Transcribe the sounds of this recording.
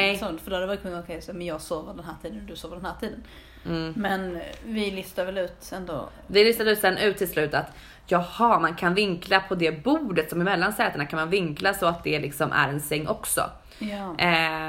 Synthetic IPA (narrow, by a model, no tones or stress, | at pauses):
ɛsɔnt̪fœɖ̪oːad̪ɛvɑɾt̪̚kʰɵnːɔkʰɛjsɔmɛnjɑːɡsoːvəɖɛnhæːʈʰiːd̪ənd̪ɵsoːvəɖ̪ɛnhæːʈʰiːd̪ən̩ː | mɛnvɪlʏst̪avɛlʉ̟ːt̪ɛnd̪o̰ | vɪlʏst̪ad̪əʉːsɛnːʔʉ̟ːt̪ʰːɪlslʉ̟ːt̪at̪ | jɑhɑmankʰanvɪŋklapʰɔd̪ɛbuːɖət̪sɔmɪmɛlːansɛːt̪əɳakʰanmanvɪŋklasɔat̪̚d̪ɛlɪksɔmʔæ̰ɾɛnsɛŋːʔɔksɔ̰ | j